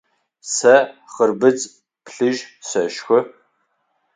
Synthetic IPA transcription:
sɐχərbɨt͡sʼ | pɬɨʒsɐʃxʷʊ

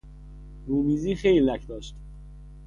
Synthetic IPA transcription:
ɾuːmiːziːxejllæcʰd̪ɒːʃt̪

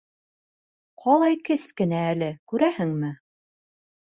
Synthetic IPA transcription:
qʰɑlˠɑjkɘskɘ̆næːlɘkʉɾæhɘŋmɘ

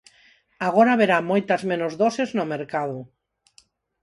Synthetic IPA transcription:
aɣoɾaβeɾamojt̪azmẽnozðoseznomeɾkaðʊ

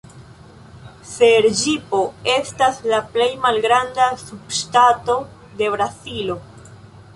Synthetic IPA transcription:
se̞ɾd͡ʒipo̞e̞staslaple̞jmalɡɾandasub̚ʃtato̞ | de̞βɾazilo̞

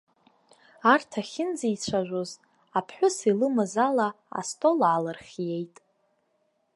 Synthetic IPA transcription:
artʰaχʲɪnd͡zijt͡ɕʷʰaʒᶣʷoz | apʰħʷᶣʊsilɨmazala | a̰stʼo̞lʕalɨrχʲje̞jtʼ

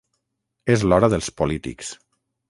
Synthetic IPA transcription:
ezlɔɾəðəlˠspolit̪ḭks

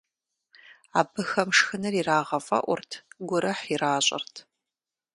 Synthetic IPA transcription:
aːbɨxɐmʂxɨnɐriraːʁɐfʼɐ̰ʔʷʊrtʰɡʷʊɾɐħiraːɕʼɐ̰rtʰ

